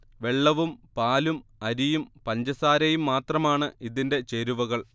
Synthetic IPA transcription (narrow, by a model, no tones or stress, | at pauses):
ʋe̞ɭːɐʋumpaːlumɐɾijumpɐɲd͡ʑɐsaːɾɐjumːaːt̪rɐmaːɳɨʔiðinde̞t͡ɕe̞ɾuʋɐɣɐɭ